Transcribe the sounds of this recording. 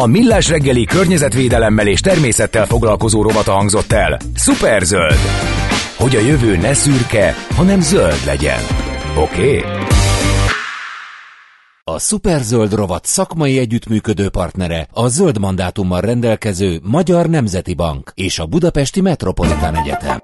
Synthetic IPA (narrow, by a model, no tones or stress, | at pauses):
ɒmilːaːʃrɛɡːɛlikørɲɛzɛt̪ʋeːd̪ɛlɛmːɛleːʃt̪ɛrmeːsɛt̪ːɛlfo̞ɡlɒlko̞zoːɾo̞vɒt̪ɒɦɒŋɡzo̞t̪ːɛ̰l | supɛrzøld̪ | ho̞ɟɒjøvøːnɛsyrkɛhɒnɛmzøld̪lɛ̰ɟɛ̰no̞keː | ɒsupɛrzøld̪ro̞vɒt̪sɒkmɒjiɛɟːyt̪myːkød̪øːpɒrt̪nɛɾɛɒzøld̪mɒnd̪aːt̪umːɒrrɛnd̪ɛlkɛzøːmɒɟɒrnɛmzɛt̪ibɒ̰ŋkeːʃɒbud̪ɒpɛʃt̪imɛt̪ro̞po̞lit̪aːnɛɟɛ̰t̪ɛ̰m